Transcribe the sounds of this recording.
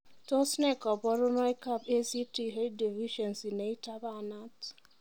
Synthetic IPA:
to˦snɛ˦˨kɔ˨bɔ˦ɾʊ˦nɔ˦i˦ka˦˨be˦si˦ti˦ɦe˦d̚di˨vi˦ʃɔ˨nsi˨ne˨i˦ta˦ba˦˨na˦t

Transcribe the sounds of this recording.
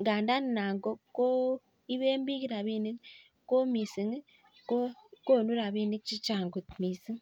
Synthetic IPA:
ŋɡa˨nda˦ni˨naː˨ŋɡo˦ko˦ | i˦βeː˦mbi˦ki˦ɾa˨βi˦ni˦ | ko˦mi˨si˨ŋ˦ | ko˦ko˦nu˦ɾa˨βi˦ni˦kt͡ʃi˦t͡ʃaː˨ŋɡu˨t̪miː˨si˦ŋ

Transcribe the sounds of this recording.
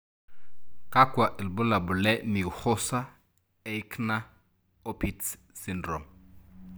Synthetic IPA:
ka˦kwa˨ʔɪ˨lbʊ˦la˨bʊ˨lɛ˦ni˨χʊ˦sa˦ | e˨ɪ˦kʰna˦ | o˦pʰi˨t | si˦ndrɔ˨m

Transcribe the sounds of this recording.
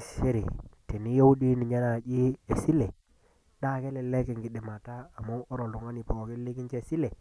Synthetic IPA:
se˦ɾḭ˨te˨ni˦jo˦u˦di˦ni˨ɲa˦na˨d͡ʒi˦e˨si˦le˨ | ɗa˦˨ke˦lɛ˨le˦ke˨ŋɡi˨ɗi˨ma˨taː˦˨mu˦ʔo˦ɾo˨lu˨ŋa˦ni˨po˨ki˦li˦ki˦nt͡ʃe˦˨si˦le˨

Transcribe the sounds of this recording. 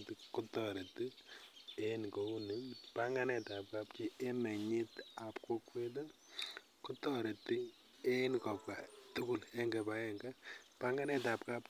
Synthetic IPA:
ti˨ku˦tɔ˨ɾe˨tːi˦ | e˦nko˨u˦ni˦pa˦ŋɡa˦nɛ˨ta˨p̚ka˦pt͡ʃi˦e˦mɛ˨ɲi˦ta˨pko˦kwe˦t̬o˦ | ku˦tɔ˨ɾɛ˨tːi˦ | e˦nkɔ˨pka˨tu˦ku˦lɛ˦ŋɡɛ˨pa˦ɛ˦ŋɡa˦pa˦ŋa˦nɛ˦ta˨p̚ka˦p

